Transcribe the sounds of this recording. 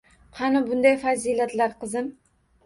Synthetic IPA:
qʰɑnɪbʊnd̪ajfaziːlat̪laɾqɨzɪm

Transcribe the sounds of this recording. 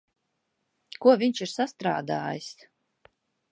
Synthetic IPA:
kuɔvʲiɲʃiɾsast̪ɾa̰ːd̪a̰ːjis

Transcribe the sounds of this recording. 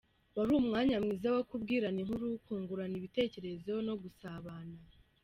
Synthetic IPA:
waɾuːmŋaːɲamŋiːzawokub̚ɡiːɾaniŋ̥huɾukuːŋɡuɾaniβite̞ːce̞ɾe̞zo̞no̞ɡusaβaːna

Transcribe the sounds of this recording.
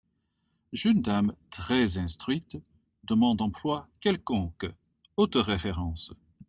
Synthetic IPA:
ʒynd̪amt̪χɛzɛ̃st̪χɥit̪ | d̪əmɑ̃d̪ɑ̃plwakɛlkɔ̃k | ot̪ʁefeʁɑ̃s

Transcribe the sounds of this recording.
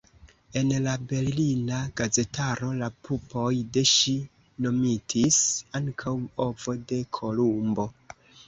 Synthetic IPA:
e̞nlabe̞ɾlinaɡaze̞tʰaɾo̞lapupo̞jde̞ʃi | no̞mitʰisaŋkʰawo̞vo̞de̞kʰo̞lumbo̞

